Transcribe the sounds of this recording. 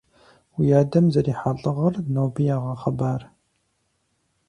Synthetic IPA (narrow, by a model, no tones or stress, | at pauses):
wijaːdɐmzɐɾiːħaɮʼɨʁɐrnoːbijaːʁɐχɐbaːr